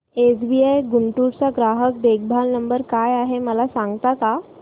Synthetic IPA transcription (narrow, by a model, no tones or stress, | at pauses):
esbiajɡuɳʈuɽt͡saɡɾaɦək̚d̪eɡ̚bʱalnəmbəɾkajaɦeməlasãŋɡt̪aka